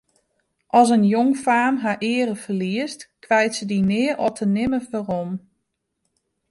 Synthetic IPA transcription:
ʔɔs̬ənjoŋfaːmɦaʔɪəɾəfərliəstkʋɛjtsədinɪərʔɔtʰənɪməfərɔm

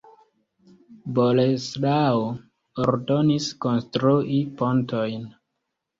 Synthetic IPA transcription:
boleslao | oɾdoniskonstɾuʔipo̞ntʰojn

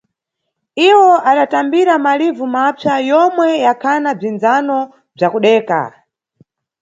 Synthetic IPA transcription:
iwɔʔaɗatambiɾamalivumapʰjajɔmwɛjakʰanab͡ʐind͡zanɔ | b͡ʐakuɗɛːka̰

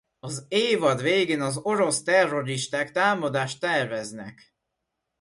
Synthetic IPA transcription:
ɒzeːvɒd̪ʋeːɡeːnɒzo̞ɾo̞st̪ɛrːo̞ɾiʃt̪aːkt̪aːmɒd̪aːʃt̪ːɛrvɛznɛ̰k

